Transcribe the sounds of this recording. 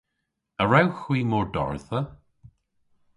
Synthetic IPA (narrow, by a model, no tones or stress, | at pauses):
əɹawxwiːmɔːɹdɔ̰ɹðə